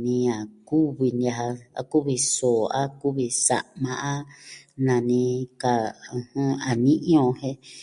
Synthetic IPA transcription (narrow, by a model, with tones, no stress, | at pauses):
nĩ˧a˨ku˦βi˧n˧a˧ha˧a̰˧ku˦βi˧so˨a˦ku˦βi˧sa̰˨ʔmã˧ʔa˦nã˨nĩ˧ka˧ɨ̃˧hɨ̃˧a˨nĩ˦ʔĩ˦õ˧hẽ˧˦